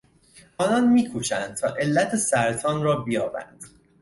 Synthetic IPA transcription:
ʔɒːnɒnmiːkʰuːʃænd̪̚t̪ʰɒːʔe̞lːæt̪ʰesæɾt̪ʰɒːnrɒːbijɒːbæ̰nd̪̥

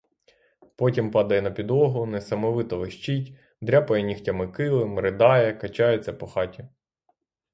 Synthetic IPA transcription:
pɔtʲimpɑd̪ɐjɛnɐpʲid̪ɔɦʊnɛsɐmɔʋɪt̪ɔʋɪʃt͡ʃitʲ | d̪ɾʲapɔjɛnʲixtʲɐmɪkɪlˠɪmɾɪd̪ɑjɛkɐt͡ʃɑjʊt͡sʲːɐpɔxɑtʲi

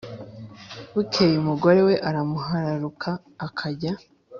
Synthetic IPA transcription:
wukʰejumuɡo̞ɾewe̞ʔaɾamuɦaɾaɾukʰaːkʰaɟa

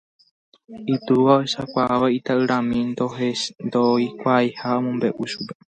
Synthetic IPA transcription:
it̪uʋaoeʃakʷaaʋait̪aʔɨɾãmĩnd̪oend̪oikʷajhaomõmbe̞ʔuʃupe̥

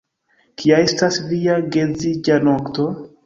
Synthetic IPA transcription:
kʰijaestasviaɡed͡zid͡ʒanokto

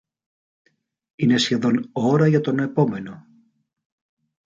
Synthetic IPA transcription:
ine̞sçe̞ðo̞no̞ɾɐʝɐt̪o̞ne̞po̞me̞no̞

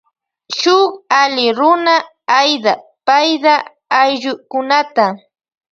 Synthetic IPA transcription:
ʃʊχalɪɾʊna | ajd̪apajd̪apːjʎʊkʊnat̪a

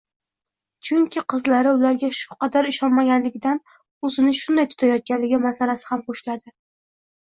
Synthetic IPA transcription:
t͡ʃʰʊŋkʲʰɪqʰɨzlaɾɪʊlaɾɡʲaʃʊ̥qʰɑd̪aɾɪʃɒnmaɡʲanlɪɡʲɪd̪an | ɵzɪnɪʃʊnd̪ajt̪ʰʊ̥t̪ʰajɒt̪̚kʲanlɪɡʲɪmasalasɪ̥hamqoʃlad̪ɪ

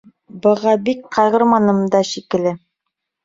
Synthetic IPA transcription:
bɤ̆ʁɑbikqɑʁɤ̆ɾmɑnɤ̆md̪ɑʃikɘ̆lɘ

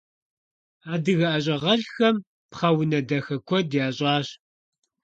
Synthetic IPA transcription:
aːdɨɣɐʔɐɕ̬ʼɐʁɐɮxɐm | pχɐwʊnɐdɐxɐkʷʰɔdjaːɕʼɑːɕ

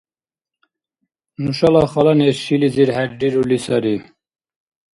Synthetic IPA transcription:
nuʃɑlɑxɑlɑneʃiliziɾhɛɾɖiɾulisɑɾi

